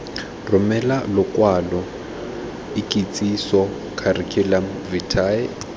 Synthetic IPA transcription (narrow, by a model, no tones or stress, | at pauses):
rʊmɛlalʊkʼwalɔ | ɪkʼit͡sʼisɔ | kʰarɪkʰɪlam | vitʰaɪ